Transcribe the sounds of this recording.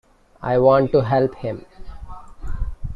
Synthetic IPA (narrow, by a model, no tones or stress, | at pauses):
a̰ɪʋɔ̃ːɳʈʈːuɦɛlphɪ̃m